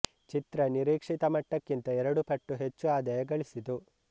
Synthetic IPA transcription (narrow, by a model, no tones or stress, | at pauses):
t͡ʃit̪ɾɐniɾiːkʂit̪ɐmɐʈːɐkːint̪ɐɛɾɐɽupɐʈːuɦet͡ʃːuaːd̪ɐjɐɡɐɭisit̪u